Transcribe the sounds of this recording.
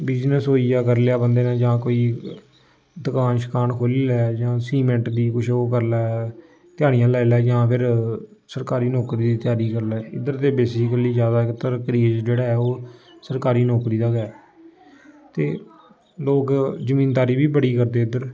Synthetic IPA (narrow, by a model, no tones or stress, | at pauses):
bɪd͡ʒnəsɦoːiːjaːkəɾleaːbənd̪eːnãːd͡ʒãːkoːiː | d̪əkaːnʃə̥kaːnkʰoːlilɛːd͡ʒãːsiːmɛ̃ɳʈd̪iːkʊt͡ʃʰoːkəɾlaː | t̪ɪjaːɽ̃ijãːlɛːlɛːd͡ʒãːpʰɪɾsəɾkaːɾiːnɔːkɾiːd̪iːt̪ɪjaːɾiːkəɾlɛːɪ̰d̪əɾt̪eːbeːsɪkəliːzjaːd̪aːɪkt̪əɾkɾiːd͡ʒd͡ʒeːɽaːɦɛːoː | səɾkaːɾiːnɔːkɾiːd̪aːɡɛː | t̪eː | loːkzəmĩːnd̪aːɾiːbiːbəɽiːkəɾd̪eːɪd̪əɾ